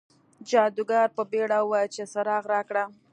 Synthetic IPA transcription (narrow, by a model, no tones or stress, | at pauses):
d͡ʒɑd̪uɡɑɾpəbeɽawwat͡ʃesaɾɑɣɾɑkɽa